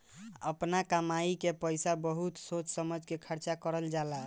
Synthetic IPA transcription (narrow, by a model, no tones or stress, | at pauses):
əpnakəmaikepəjsabəɦut̪sot͡ʃsəməd͡ʒʱkekʰəɾt͡ʃakəɾəld͡ʒala